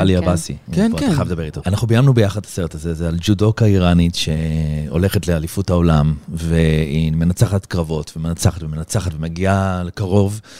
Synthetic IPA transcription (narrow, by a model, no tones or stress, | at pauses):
aliabasiaχaavd̪abeʁit̪oanaχnubijamnubejaχadlḁseʁetazezeald͡ʒudo̞kaiʁanitʃe̞o̞̰le̞χetlealifuthaolamveime̞nat͡saχatkʁavo̞tvemenat͡saχatvemenat͡saχatvemaɡialekaʁo̞v